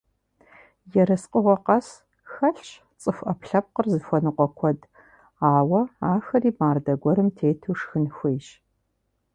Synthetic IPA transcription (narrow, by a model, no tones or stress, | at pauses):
jɛɾɐsqʼəʁʷɔqɐs | xɐɬt͡ʃ | t͡sʼɨxʷʔɐpɬɐp̚qərzɨxʷɔnɨqʷɔkʷʰɔd | aːwɐaːxɐriːbaːrdɐɡʷɔɾɨmtʰeːtʰuːʂxɨnxʷijʃ